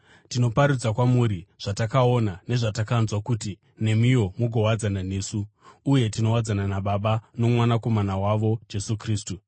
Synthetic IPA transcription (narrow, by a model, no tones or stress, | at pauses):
tino̞paɾud͡zakwamuɾiʐ̥atakao̞nane̞ʐatakanzwakuti | ne̞mijo̞muɡʱo̞wad͡zananeːsuːje̞tino̞wad͡zananaɓaɓano̞mwanako̞manawaʋo̞d͡ʒe̞sukriːstu